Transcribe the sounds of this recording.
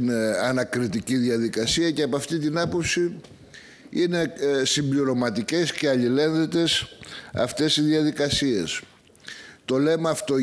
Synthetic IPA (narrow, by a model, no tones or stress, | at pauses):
nɐnɐkɾit̪iciðiɐðikɐsiɐceɐpɐft̪it̪inɐpo̞psi | ine̞simbʎiɾo̞mɐt̪ice̞sce̞ɐʎile̞nðet̪e̞sɐ̰ft̪e̞sizðiɐðikɐsie̞s | t̪o̞le̞mɐːft̪o̞